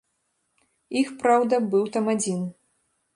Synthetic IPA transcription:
ixpɾawd̪ɐbɨwt̪ɐmad͡zʲin

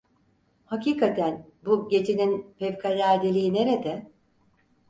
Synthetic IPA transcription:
haciːkʰat̪ʰæn | buɟe̞t͡ʃʰeninpevkʰalʲæɾd̪elʲiːne̞ɾe̞d̪ɛ

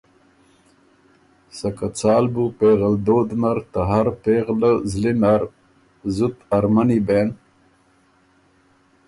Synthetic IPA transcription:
sɐkat͡saːlbupeːɣɐld̪oːd̪nɐɾt̪ɐɦɐɾpeːʁləzlinaɾ | zut̪ɐɾmaniben

